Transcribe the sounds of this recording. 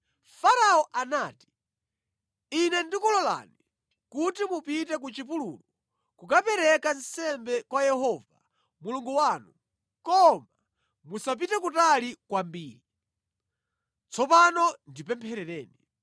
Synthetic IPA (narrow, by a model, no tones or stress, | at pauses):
faɾaɔʔanaːti̥ | inɛndikulɔla̰ni | kutimupitɛk̬ut͡ʃip̬ulṵlɔ | kukapɛɾɛkansɛmbɛkwajɛɦɔva | muluŋɡuwanu | kɔma | musap̬itɛk̬utalikwambiːɾi | t͡sʰɔpanɔndipɛmpʰɛɾɛɾɛːni